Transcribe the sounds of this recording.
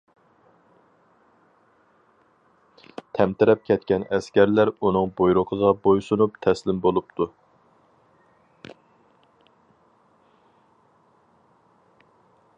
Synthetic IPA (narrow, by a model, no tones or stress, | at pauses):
t̪ʰɛmt̪ɪɾɛp̚kʲʰɛt̪kʲɛnɛskʲæɾlæɾunɨŋbojɾʊqʰəʁɑbojsunupt̪ʰɛslɪmbolˠup̚t̪ʰu